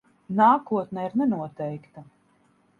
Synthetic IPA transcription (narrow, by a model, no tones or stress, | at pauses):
naːkuɔt̪nɛiɾnɛnuɔt̪ɛjkt̪a